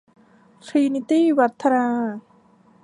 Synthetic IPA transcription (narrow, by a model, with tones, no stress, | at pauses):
t̪ʰɾi˧ni˧t̪iː˥˩wa˦˥t̪ʰːa˧naː˧